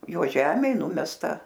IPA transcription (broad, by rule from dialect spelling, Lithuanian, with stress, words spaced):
ˈjoː ˈʒʲæːmʲeːj ˈnʊmʲɛstɐ